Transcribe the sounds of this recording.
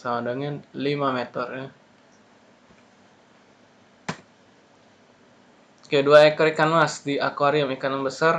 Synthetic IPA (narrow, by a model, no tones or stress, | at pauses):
samadəŋɛnlimamet̪ərja | kaaduaekɔɾikanmasdia̰kaɾiamikanaŋbəsar